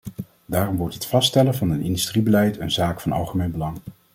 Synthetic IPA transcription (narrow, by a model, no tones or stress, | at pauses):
daːrɔmʋɔɹtətfɑstɛlənvɑnənɪndystribəlɛjtʰənzaːkfɑnɑ̰lˠχəmejnbəlɑŋ